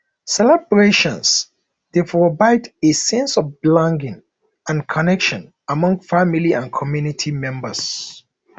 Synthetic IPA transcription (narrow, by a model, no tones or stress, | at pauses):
sɛlɛbɹeʃɔ̃ns | d̥epɹɔvaɪdesɛ̃nsɔfblãŋɡɪ̃ŋ | ãnkʰɔnɛkʃɔ̃n | amɔ̃ŋfamiliãnkʰɔmjunitʰimɛ̃mbəs